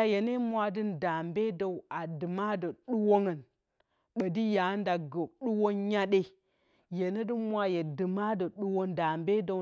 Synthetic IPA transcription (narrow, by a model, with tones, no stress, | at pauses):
a˦je˨ne˦mʷa˨dɨ˦nda˨mbe˦do˨wa˨dɨ˨ma˦də˨ɗu˦wo˦ŋə˨n | ɓə˨di˦ja˨˦nda˨ɡə˨ɗu˦wo˦ɲa˦ɗe˦ | je˨ne˦dɨ˦mʷa˦je˨dɨ˨ma˦də˨ɗu˦wo˦nda˨mbe˦do˨